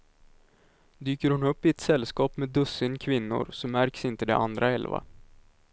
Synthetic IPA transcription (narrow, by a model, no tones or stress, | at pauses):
d̪yːkəɾhʊnɵpːɪɛt̪sɛlːskɑːpmed̪ɵsːɪnkʰvɪnːʊ̰ɾsɔmmæɾksɪnt̪əd̪ɛ̰ʔand̪ɾaɛlva̰